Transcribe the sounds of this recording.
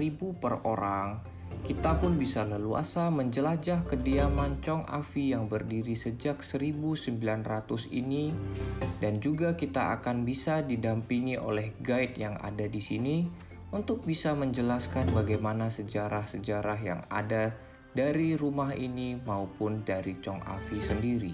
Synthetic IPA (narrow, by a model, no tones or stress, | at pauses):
ibupəroɾaŋ | kit̪apʊnbisaləlua̰saməɲd͡ʒəlad͡ʒahkədiamaɲt͡ʃɔŋa̰fijaŋbərdiɾisəd͡ʒak̚səɾibusəmbilanrat̪ʊsḭni | dand͡ʒuɡakit̪aʔa̰kanbisadidampiŋiʔo̰lɛhɡaɪt̪̚jaŋa̰dadisini | unt̪ʊk̚bisaməɲd͡ʒəlaskanbaɡajmanasəd͡ʒaɾahsəd͡ʒaɾaɦja̰ŋa̰da | daɾirumaɦinimaupʊndaɾit͡ʃɔŋa̰fisəndiɾi